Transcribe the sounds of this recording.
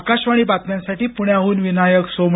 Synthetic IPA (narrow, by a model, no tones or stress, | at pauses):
kaɕʋaɽ̃iːbat̪mjãnsaʈiːpuɳjaɦuːnʋinajəksom